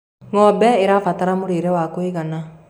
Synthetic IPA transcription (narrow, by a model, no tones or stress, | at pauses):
ŋɔbɛeɾafat̪aɾamuɾiɾɛwakoiɣana